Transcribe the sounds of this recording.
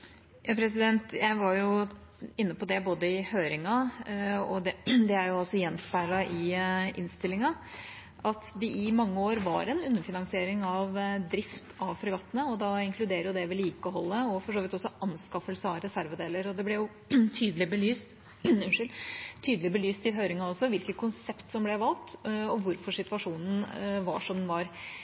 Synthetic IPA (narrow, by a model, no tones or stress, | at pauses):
jɑːpʰɾɛs̬ɪd̪ɛnt̪jæɪʋɑɾjʊɪnːəpɔd̪ɛboːd̪əɪhøːɾɪŋɑ | ɔd̪ɛd̪ɛæɾjʊɔsːɔjɛnːspʰæɪɭɑʔɪʔɪ̰nst̪ɪlːɪŋɑ | ʔɑt̪ʋɪʔɪmɑŋːəoːɾʋɑ̰ɾɛnʉnːəfɪnɑŋsɪeːɾɪŋɑʋd̪ɾɪft̪ʰɑʋfɔɾɡɑt̪ːənəɔd̪ɑɪŋkʰlʉd̪eːɾəɾjʊd̪ɛʋɛliːkəɦɔlːəɔfɔʂoːʋɪt̪ɔsːɔʔɑnskɑfəlsəɑʋɾɛsæɾʋəd̪eːləɾɔd̪ɛblɛjʊ | t̪ʰyːd̪əlɪbəlyːst̪ | ʉnʂɪlt̪ʰyːd̪əlɪbəlyːst̪ɪɦøʏɾɪŋɑɔsːɔʋɪlkət̪̚kʰʊnsɛpt̪sɔmblɛʋɑlt̪ɔʋʊɾfɔʂɪt̪ʋɑʂuːnən̩ʋɑ̰ʂɔmd̪nʋɑɾ